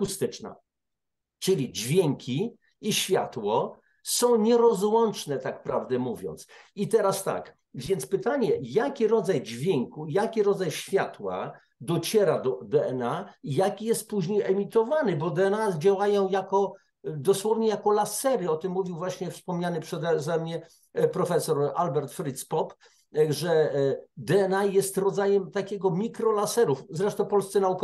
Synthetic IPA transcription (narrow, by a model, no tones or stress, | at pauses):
kust̪ɘt͡ʂna̰ | t͡ʂɘlʲid͡ʑvʲjɛŋkʲʰiː | ɕfʲja̰t̪wɔ | sɔ̃w̃ɲɛɾɔzwɔnt͡ʂnɛt̪ak̚pɾavd̪ɛmuvʲjɔ̰nt̪sit̪ɛɾast̪a̰k | vʲjɛnt̪spɘt̪aɲɛjakʲiɾɔd̪zajd͡ʑvʲjɛŋkujakʲiɾɔd̪zajɕfʲjat̪wa̰ | d̪ɔt͡ɕɛɾad̪ɔd̪ɛɛnaijakʲijɛst̪̚puʑɲejɛmʲit̪ɔvanɘbɔd̪ɛɛnad͡ʑawajɔ̃w̃jakɔ | d̪ɔswɔvɲɛjakɔlasɛɾɘɔt̪ɘmːuvʲiwvwaɕɲɛfspɔmɲanɘpʂɛd̪ɛzɛmɲɛ | pɾɔfɛsɔɾa̰lbɛɾt̪fɾɘt̪spɔp | ʐɛd̪ɛɛnajɛst̪ɾɔd̪zajɛmt̪akʲɛɡɔmʲikɾɔlasɛɾufzɾɛʂt̪ɔ̃pɔlst̪sɛnaukɔ